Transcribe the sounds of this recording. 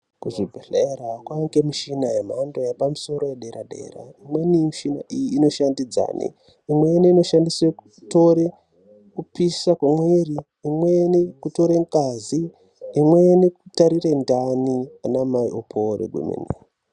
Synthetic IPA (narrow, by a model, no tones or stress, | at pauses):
kuʐibʱeɬaeɾakwaŋɡemiʃinaemaondojapamuso̞ɾo̞jeɗe̞ɾaɗe̞̰ːra̰imwenimiʃina̰ʔijiːno̞ʃandid͡za̰ːnḛ | imweneino̞ʃandiswekuto̞ɾe | kupisakwamweriː | mwenekuto̞ɾeŋɡazi | imwenekutaɾirendanianamaiʔopʰoɾḛɡʱwṵmḛni